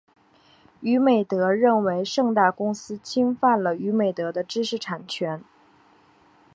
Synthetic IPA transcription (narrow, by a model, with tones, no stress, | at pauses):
y˧˥me˨˩ɪt̪ɤ˧˥ɻə˥˩nwe˧˥ɪʂɤ˥˧ŋt̪a˥˩kʊ˥ŋsɹ̩˥t͡ɕʰi˥ŋfa˥˩nlə˩y˧˥me˨˩ɪt̪ɤ˧˥d̪ə˧ʈ͡ʂɻ̩˥ʂɻ̩˥˩ʈ͡ʂʰa˨˩nt͡ɕʰɥɛ˧˥n